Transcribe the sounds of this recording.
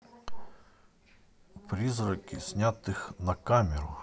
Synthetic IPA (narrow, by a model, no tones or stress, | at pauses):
pɾʲizrɔkʲisʲnʲat̪ɪxnɐkamʲɛɾʊ